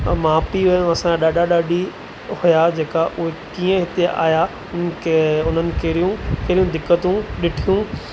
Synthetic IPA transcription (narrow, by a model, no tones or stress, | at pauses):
maːpiɦʊ̃ɐsãaɗaːɗaɗaːɗi | hʊjad͡ʑeːkaʔʊɦekiːə̃ɦɪt̪eʔa̰ːja | ʊn̆keʊn̤ənɪ̆kʰeɾijũkeɦɾijũd̪ɪkːət̪ũɗɪʈʰijũ